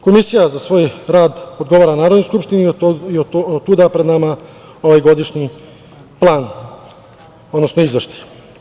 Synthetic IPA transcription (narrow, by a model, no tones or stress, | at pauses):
ko̞misijazasʋo̞ːjɾaːd̪od̪ɡo̞ʋaːɾanaːɾod̪nojskupʃt̪iniioot̪uːd̪apɾe̞d̪nama | o̞ʋaːjɡo̞d̪iʃɲi | plˠaːn | o̞d̪nosnoizʋeʃt̪i̥